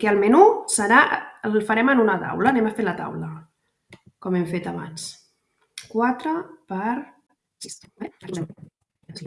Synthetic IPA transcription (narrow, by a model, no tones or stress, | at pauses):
keəlˠmenusəɾaʔəlfəɾɛmənunət̪a̰wlənɛməfelət̪a̰wlə | kɔmɛmfet̪əβa̰ns | kwat̪ɾəpəɾ